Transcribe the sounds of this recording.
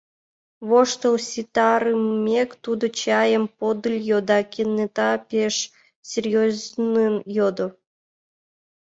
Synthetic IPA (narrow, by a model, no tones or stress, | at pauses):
βoʃt̪əlsʲit̪ɑɾɨmmːʲekt̪ud̪ŏt͡ɕɑjəmpod̪ɨlʲjod̪ɑkʲenːet̪ɑpʲeʃ | sʲerʲjoznɨnjod̪ŏ